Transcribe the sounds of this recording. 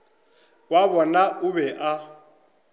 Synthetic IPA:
waβɔnaʔuβɛʔa

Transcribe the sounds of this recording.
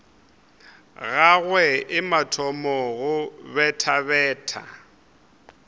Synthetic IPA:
ɣaɣwɛɪmatʰɔmɔɣʊβɛtʰaβɛːtʰa̰

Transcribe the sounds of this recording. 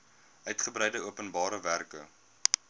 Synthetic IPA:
ʔœɥtχəbrɛjdəuəpənbɑːɾəværkə

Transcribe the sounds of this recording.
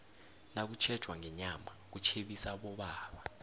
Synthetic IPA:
nak̬ut͡ʃʰɛd̥ʒ̥ʱwaŋɛɲamak̬ut͡ʃʰeɓisaɓɔɓaːɓa

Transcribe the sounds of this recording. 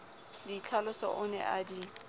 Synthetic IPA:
dit͡ɬʰalʊsɔ̰ʔʊnɛ̰ʔadi

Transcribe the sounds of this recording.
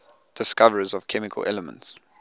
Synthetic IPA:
d̥ɪskavəɹizɔv̥kʰɛmɪkʰəlɛ̰ləmə̰̃nts

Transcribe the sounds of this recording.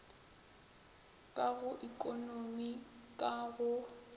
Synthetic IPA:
kʼaɣʊʔikʼonomikʼaɣʊ

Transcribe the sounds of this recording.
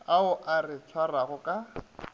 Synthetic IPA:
aʊʔarɪt͡sʰwaraɣʊkʼa

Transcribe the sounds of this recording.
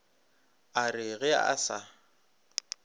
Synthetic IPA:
arɪɣɪa̰a̰sa

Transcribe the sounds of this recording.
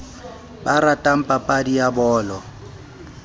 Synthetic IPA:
baɾatʼam̩pʼapʼadijabɔːlɔ

